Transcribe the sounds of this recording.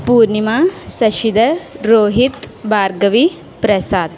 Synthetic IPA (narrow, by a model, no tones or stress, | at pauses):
puːɾnimaːsɐʃid̪ɐɾoːɦit̪baːɾɡɐʋi | pɾɐsaːd̪